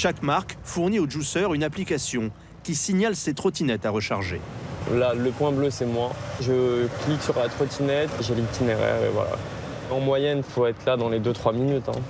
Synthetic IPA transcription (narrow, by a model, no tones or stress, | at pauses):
ʃakmaʁkfuʁnioʒusœʁynaplikasjɔ̃ | kʲisiɲalset̪χɔt̪inɛt̪aʁəʃaʁʒḛlaləpwɛ̃bløsɛmwaʒəkliksyʁlat̪χɔt̪inɛt̪ʒelit̪ineʁɛ̰ʁḛvwa̰la̰ | ɑ̃mwajɛnfoɛt̪χlad̪ɑ̃led̪øt̪χwaminyt̪ɛ̰̃